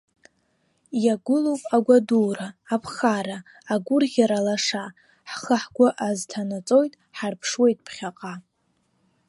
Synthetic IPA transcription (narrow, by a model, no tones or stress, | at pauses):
jaɡʷʊlowpʼaɡʷaduːraːpʰχaɾaː | ɡʷʊrʁʲaɾalaʂa | ħχəħɡʷʊʔaztʰanat͡sʼo̞jtʼħarpʰʂwe̞jtʼpʰχʲaqʼa